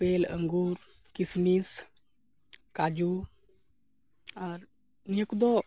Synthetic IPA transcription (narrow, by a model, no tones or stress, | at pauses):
pelə̰ŋɡuɾ | kisnis | kad͡ʒu | aɾ | niəkud̪ɔ